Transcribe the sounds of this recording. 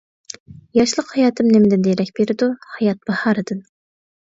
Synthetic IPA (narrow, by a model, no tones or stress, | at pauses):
jɑʃlˠəqhɑjɑːt̪ʰɨmnɪmɪd̪ɪnd̪eɾɛkʲb̥eɾɪd̪uhɑjɑt̪̚b̥ɑhɑːɾɨd̪ɨn